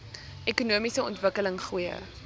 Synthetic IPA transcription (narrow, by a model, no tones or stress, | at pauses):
ʔɛkunuəmisəɔ̰ntvəkələŋχujə̰